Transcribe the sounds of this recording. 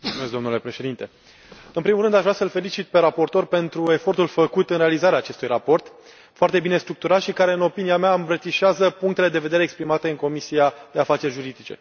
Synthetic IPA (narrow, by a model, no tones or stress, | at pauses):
mult̪sumesk̚d̪o̞nule̞pɾe̞ʃe̞d̪int̪e̞ | ɨnpɾimulɾɨnd̪aʒvɾasəlfe̞lit͡ʃit̪̚pe̞ɾapo̞rt̪o̞rpe̞nt̪ɾue̞fo̞rt̪ulfəkut̪ɨnɾe̞alizaɾeaːt͡ʃe̞st̪ujrapo̞rt̪ | foart̪e̞bine̞st̪ɾuk̚t̪uɾat̪ʃikaɾe̞ɨno̞piniameaɨmbɾət̪iʃeazəpuŋk̚t̪e̞le̞d̪e̞ve̞d̪e̞ɾeːkspɾimat̪e̞ɨŋko̞misiad̪e̞afat͡ʃe̞rʲʒuɾid̪it͡ʃe̞̰